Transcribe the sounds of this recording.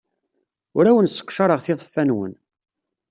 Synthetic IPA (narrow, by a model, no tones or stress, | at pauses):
ʊɾæwənsə̥qːʃɑɾˤəʁθɪðˤəfːænwə̰n